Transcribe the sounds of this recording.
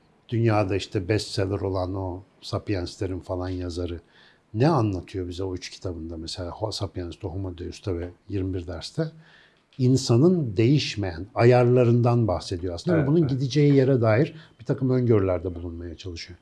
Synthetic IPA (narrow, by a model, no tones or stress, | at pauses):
d̪̥ynjaːd̪aiʃt̪ʰɛbɛst̪selʲɛɾo̞lˠano̞sapjanst̪ʲeɾinfalˠanjazaɾɯ | nɛanlˠat̪ʰɯjo̞bizɛoyt͡ʃcʰi̥t̪ʰabɯnd̪amɛse̞lʲaːhosapʰjanst̪ʰoɦomod̪ejyst̪ʰavɛjiɾmibiɾd̪æɾst̪ʰɛ | insanɯnd̪e̞jiʃmejænajaɾlˠaɾɯnd̪anbaxse̞d̪ijoasɯnd̪avɛbununɟid̪id͡ʒe̞jijeɾɛd̪aːjiɾb̥it̪ʰakʰɯmøɲɟøɾlʲæɾd̪ɛbulˠunmajat͡ʃʰalˠɯʃɯjo